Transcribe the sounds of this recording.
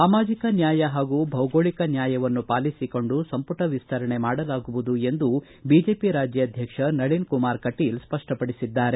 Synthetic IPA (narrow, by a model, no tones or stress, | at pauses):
saːmaːd͡ʒikɐnjaːjɐɦaːɡuːbʱɐwɡoːɭikɐnjaːjɐʋɐnːupaːlisiko̞ɳɖusɐmpuʈɐʋist̪ʰɐɾɐɳe̞maːɽɐlaːɡuʋud̪ue̞nd̪u | biːd͡ʒe̞ːpiɾaːd͡ʒjɐɐd̪ʱjɐkʂɐnɐɭinkumaːɾkɐʈilspɐʂʈʰɐpɐɽisid̪ːaːɾe